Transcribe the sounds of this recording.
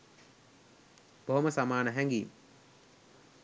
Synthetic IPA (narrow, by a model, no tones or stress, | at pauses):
b̥oɦoməsamaːnəɦæŋɡiːm